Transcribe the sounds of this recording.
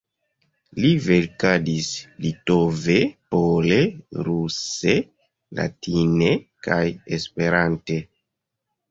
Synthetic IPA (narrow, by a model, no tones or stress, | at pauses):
live̞lkadislitove̞pole̞ɾuse̞ | la̰tine̞kajespe̞ɾante̞